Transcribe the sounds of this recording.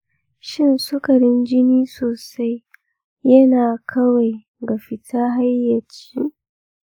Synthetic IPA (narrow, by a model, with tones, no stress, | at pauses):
ʃɪ˦nsʊ˦kɐ˨ɽɪ˦nd͡ʒɪ˦niː˦soː˨sa˦j | jɐ˦naː˨kʰɐ˦wa˨j | ɡa˨ɸɪ˨tʰaː˦ɦa˦jːɐ˨t͡ʃi˦ʔ